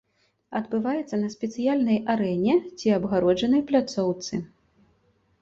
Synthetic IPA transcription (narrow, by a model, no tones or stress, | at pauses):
ɐd̪bɨvajɛt̪sːɐnɐsʲpʲɛt̪sɨjalʲnɐjaɾɛnʲɛt͡sʲiabɣaɾɔd͡ʐɐnɐjplʲat̪sɔwt̪sɨ